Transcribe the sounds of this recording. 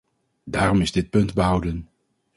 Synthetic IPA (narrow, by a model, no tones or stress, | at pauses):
daːrɔmɪzdɪt̚pɵntbəɦʌwdən